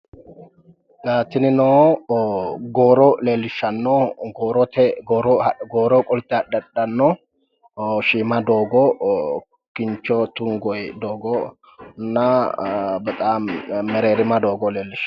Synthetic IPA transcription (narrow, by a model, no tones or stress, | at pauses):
laːt̪ːɪnɪnɔ | ɡoːɾɔleːlːɪʃːɐnːɔɡoːɾɔt̪ɛɡɔːɾɔɡoːɾɔkʼɔlt̪ːɪɐɗɐɗɐnːɔ | ʃiːmɐd̪oːɡɔ | kɪɲt͡ʃːɔt̪ʊŋɡɔjd̪oːɡɔ | nɐ | bɐt̪ʼamɛɾeːɾɪmɐd̪oːɡɔleːlːɪʃɐ̥